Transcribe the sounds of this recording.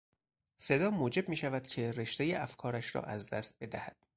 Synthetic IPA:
se̞d̪ɒːmuːd͡ʒe̞b̚miːʃævæd̪̥cʰe̞reʃt̪ejeʔæfkʰɒːɾæʃɾɒ̰ːʔæzd̪æst̪̚be̞d̪æhæd̪̥

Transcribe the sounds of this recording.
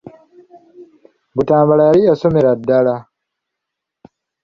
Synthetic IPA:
butãːbaɽaːɾiasomiɾadaɽa

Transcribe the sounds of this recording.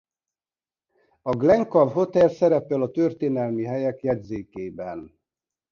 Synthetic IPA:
ɒɡlɛŋkɒvɦo̞t̪ɛlsɛɾɛpɛlɒt̪ørt̪eːnɛlmiɦɛjɛkjɛɟzeːkeːbɛn

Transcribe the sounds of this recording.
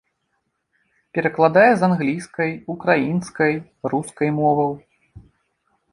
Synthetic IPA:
pʲɛɾɐklˠad̪ajɛzanɣlʲiskɐjukɾajinskɐj | ruskɐjmɔvɐw

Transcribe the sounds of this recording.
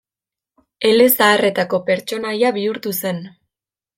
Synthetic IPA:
e̞le̞saːre̞t̪ako̞pe̞ɾt͡ʃo̞najaβiuɾt̪use̞n

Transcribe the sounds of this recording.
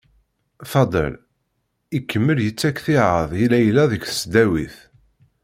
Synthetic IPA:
fɑd̪ˤə̰l | ikːəmːəljət͡sːækθiʕəðˤilæjlːæðəkθə̥sd̪æwḭθ

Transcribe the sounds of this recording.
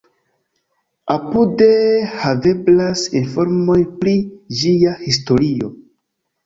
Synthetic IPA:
apude̞have̞blasinfo̞ɾmo̞jpɾid͡ʒiahisto̞ɾio̞̰

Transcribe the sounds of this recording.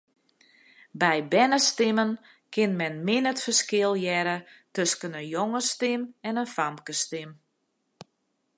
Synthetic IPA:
bɛjbɛnəstɪmən | kɪnmɛnmɪnətfərskɪəlˠjɛɾətøskənənjoŋəstɪmɛnənfamkəstɪm

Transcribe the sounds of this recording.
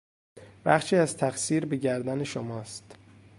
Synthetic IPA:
bæχʃiːæzt̪ʰæxsiːɾbeɟæɾd̪æneʃomɒːst̪

